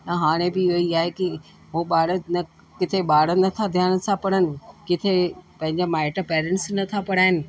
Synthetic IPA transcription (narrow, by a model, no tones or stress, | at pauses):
ɐ̃ɦaːɽ̃ebɪɦoiaːɦeki | ɦoɓaːɽənɐ | kɪt̪ʰeɓaːɽənɐt̪ʰad̪ʱjaːnt̪ʰãpɐɽənɪ̆kɪt̪ʰepɐ̃ɦɪ̃ɲd͡ʑamaːɪʈəpɛːɾɛ̃ɳʈsnɐt̪ʰapɐɽaːɦɪnɪ̆